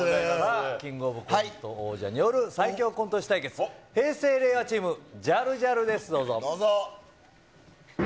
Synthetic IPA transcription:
aaɾakʲĩŋɡo̞ːbɯ̟kot̪ːooːʑa̰ɲ̟ijo̞ɾɯ̟saikʲo̞ːkont̪oɕi̥t̪aike̞t͡sɨ̥he̞ːse̞ːɾe̞ːβat͡ɕiːmɯ̟d͡ʑaɾɯ̟ʑaɾɯ̟d̪e̞sɨd̪o̞ːzod̪oː

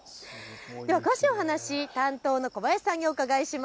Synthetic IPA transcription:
d̪̥e̞βakɯβaɕioɦanaɕit̪ãnt̪o̞ːno̞ko̞bajai̥sãɲ̟ːiokaɡaiɕim

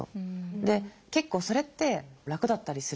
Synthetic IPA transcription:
o̰d̪e̞ke̞kːo̞ːso̞ɾe̞t̪ːe̞ɾakɯ̟d̪at̪ːaɾʲisɨ

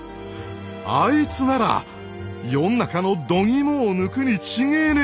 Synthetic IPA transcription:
ait͡sɨnaɾa̰ | jo̞nːakano̞d̪o̞ŋʲimoːnɯ̟kɯ̟ɲ̟it͡ɕiŋeːɾe

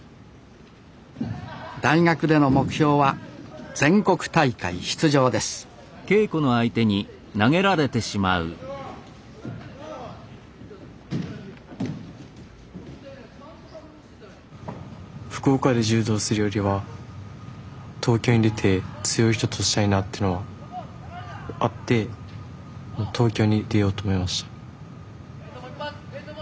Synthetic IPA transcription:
d̪aiŋakɯ̟d̪e̞no̞mo̞kɯ̟̥çʲo̞ːβad͡zẽ̞ŋko̞kɯ̟̥t̪aikaiɕi̥t͡sɨʑo̞ːd̪e̞sɨ̥ | ke̞ːko̞no̞ait̪e̞ɲ̟i | naŋe̞ɾaɾe̞t̪e̞ɕimaɯ̟̰ | ɸɯ̥koːkad̪e̞ʑɨːd̪o̞ːsɨɾɯjo̞ɾʲiβa | t̪ʰo̞ːkʲo̞ːɲ̟id̪e̞t̪ʰe̞t͡sɨjo̞iç̬̥t̪o̞t̪oɕi̥t̪aɲ̟inat̪ːeɯnoβa | at̪ːe̞ | mot̪ʰo̞ːkʲo̞ːɲ̟id̪e̞jo̞ːt̪o̞ːmo̞imaɕi̥t̪ḁ

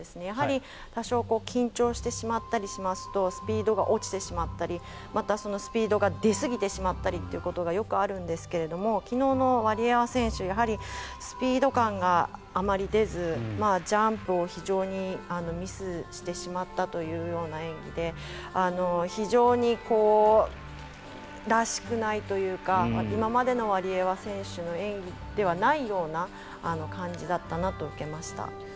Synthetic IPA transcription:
esɨne̞jaɦaɾʲi | t̪aɕo̞ːko̞ːkʲĩɲt͡ɕo̞ːɕi̥t̪e̞ɕimat̪ːaɾʲiɕimasɨ̥t̪o̞sɨ̥pʲiːd̪o̞ɡaʔo̞t͡ɕi̥t̪e̞ɕimat̪ːaɾʲi | mat̪aso̞no̞sɨ̥pʲiːd̪o̞ɡad̪e̞sɨɡʲit̪e̞ɕimat̪ːaɾʲit̪ːe̞iɯ̟ko̞t̪o̞ɡajo̞kɯ̟aɾɯ̟̃nd̪e̞sɨ̥ke̞ɾe̞d̪o̞mo̞kʲino̞ːno̞βaɾʲiaβasẽ̞ɰ̃ɕɨjaɦaɾʲisɨ̥pʲiːd̪o̞kãŋɡaːmaɾʲid̪e̞zɨmad͡ʑãmpɯ̟o̞çiʑo̞ːɲ̟iano̞mʲisɨɕi̥t̪e̞ɕimat̪ːat̪o̞jɯ̟ːjo̞ːnaẽ̞ŋɡʲid̪e̞ | ano̞çiʑo̞ːɲ̟iko̞ː | ɾaɕi̥kɯ̟nait̪o̞jɯ̟ːkaaimamad̪e̞no̞βaɾʲieβasẽ̞ɰ̃ɕɨno̞ẽ̞ŋɡʲid̪̥e̞β̞anaijo̞ːnaː | no̞kãɲ̟d͡ʑid̪at̪ːanat̪o̞ɯ̟ke̞maɕi̥t̪a̰

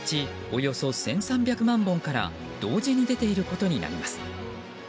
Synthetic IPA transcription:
t͡ɕi | o̞jo̞so̞sẽ̞ɰ̃sãmbʲjakɯ̟mãmbõ̞ŋkaɾa̰ | d̪̥o̞ːʑiɲ̟id̪e̞t̪e̞iɾɯ̟ko̞t̪o̞ɲ̟ina̰ɾʲimasɨ̥

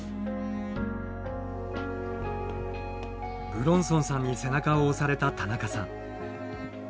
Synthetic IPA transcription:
bɯ̟ɾõ̞ɰ̃sõ̞ɰ̃sãɲ̟ːise̞nakaoːsaɾe̞t̪at̪anakasã̰ŋ

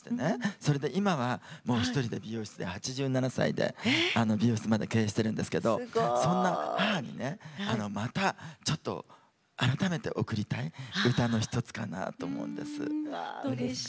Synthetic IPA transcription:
t̪ene̞so̞ɾe̞d̪e̞ʔimaβamo̞ːçi̥t̪o̞ɾʲid̪e̞bʲijo̞ːɕi̥t͡sɨd̪e̞hat͡ɕiʑɨːnanasa̰ḭd̪e̞̰ano̞bʲijo̞ːɕi̥t͡sɨmad̪eke̞ːɕi̥t̪e̞ɾɯ̟̃nd̪e̞sɨ̥ke̞d̪o̞sõ̞nːahaɦaɲ̟ḭne̞ano̞mat̪at͡ɕo̞t̪ːo̞̰ | aɾat̪ame̞t̪e̞̰ʔo̞kɯ̟ɾʲit̪aiɯ̟t̪ano̞çi̥t̪o̞t͡sɨ̥ka̰na̰t̪o̞ːmo̰ɯ̰̃nd̪e̞sɨ̰

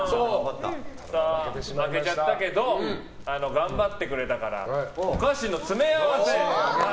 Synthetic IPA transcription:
o | samake̞t͡ɕat̪ːake̞d̪o | ano̞ɡãmbat̪ːe̞kɯ̟ɾe̞t̪akaɾa̰okaɕinːo̞t͡sɨmeaβase

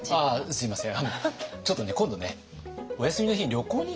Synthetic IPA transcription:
asɨimasẽamot͡ɕo̞t̪ːone̞kõnd̪o̞ne | ojasɨmʲino̞çiɲɾʲo̞ko̞ːɲ̟i

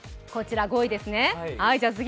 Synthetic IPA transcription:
ko̞t͡ɕiɾaɡo̞id̪e̞sɨnehaid͡ʑaːs̬ɨɡʲ

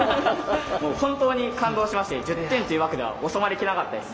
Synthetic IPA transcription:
moːhõ̞nt̪o̞ːɲ̟ikãnd̪o̞ːɕimaɕi̥t̪ed͡ʑɨt̪ːẽ̞nt̪ojiɯ̟βaked̪e̞βa̰oso̞maɾʲikʲinakat̪ːad̪es

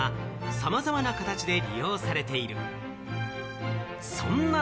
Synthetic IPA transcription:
a | samazamanakat̪at͡ɕid̪e̞ɾʲḭjo̞ːsaɾe̞t̪e̞iɾɯ̟ | sõ̞̰nːa

